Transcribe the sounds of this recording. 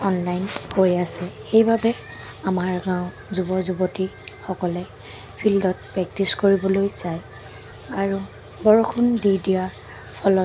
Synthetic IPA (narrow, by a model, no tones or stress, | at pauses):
ɔnlajnkojasɛxejbabɛ | amaɹɡãʊ̃ | zubɔzubɔtixɔkɔlɛ | pʰildɔt̚pɹɛk̚tiskoɹibɔlojzaj | aɹu | bɔɹɔkʰundiɹdija | pʰɔlɔ